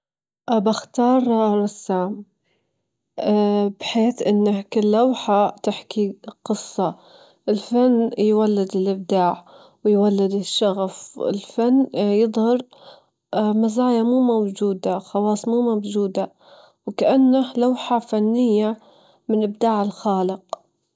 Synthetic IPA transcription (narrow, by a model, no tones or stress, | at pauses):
ʔbaxt̪ɑːɾˤɾˤɑsːaːm | bħeːθʔɪnːakɪlːawħat̪ɪħkiqɨsˤːɑ | ʔɪlfanːjwalːɪd̪ɪlʔɪb̚d̪aːʕ | wɪjwalːɪd̪ɪʃːɑɣfɪ̰lfanːjɨðˤhɑɾ | mazaːjamuːmawd͡ʒuːd̪axɑwɑːsˤmuːmawd͡ʒuːd̪a | wkaʔanːalawħafanːɪjːa | mɪnʔɪb̚d̪aːʕɪlxɑːlɪq̚